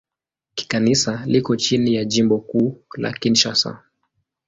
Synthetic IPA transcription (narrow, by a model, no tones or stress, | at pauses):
ki̥kanisalikɔt͡ʃinijaʄimbɔkuːla̰kinʃasa̰